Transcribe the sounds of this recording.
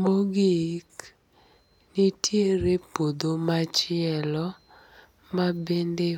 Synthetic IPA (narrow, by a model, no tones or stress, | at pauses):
moɡik | nitʰjeɾepod̪omat͡ʃɪɛlɔ | mabende